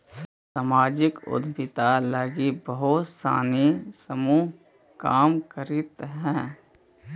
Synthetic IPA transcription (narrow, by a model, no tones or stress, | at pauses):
samaːd͡ʒɪkʊ̰d̪ʱbɪt̪alaːɡibəɦʊt̪sa̰ːnisəmuːɦ | kaːmkəɾɪt̪ɦɛ̃ː